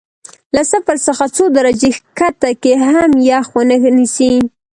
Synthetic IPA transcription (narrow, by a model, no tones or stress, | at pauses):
lasafəɾsəxat͡sod̪aɾad͡ʒexkat̪akeɦamjɑxwənənisi